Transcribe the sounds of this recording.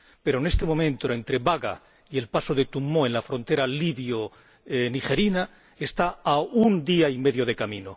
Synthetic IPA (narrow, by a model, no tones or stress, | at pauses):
pe̞ɾone̞st̪e̞momẽnt̪oe̞nt̪ɾe̞βaɣa̰ | ie̞lpasoðe̞t̪umːoenlafɾo̞nt̪e̞ɾaliβjo | niχe̞ɾina | est̪aaund̪iaime̞ðjo̞ðe̞kamĩno